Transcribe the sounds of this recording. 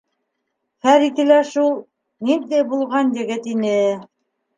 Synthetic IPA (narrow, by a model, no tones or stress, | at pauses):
χæɾit̪ɘ̆læʃulˠ | nind̪æbulˠʁɑnjɘ̆ɡɘt̪inɘ